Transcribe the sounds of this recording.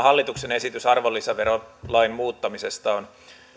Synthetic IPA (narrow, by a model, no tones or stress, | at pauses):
hɑlːit̪uksene̞sit̪ysɑrʋolːisɑʋerolɑimmuːt̪ːɑmisest̪ɑon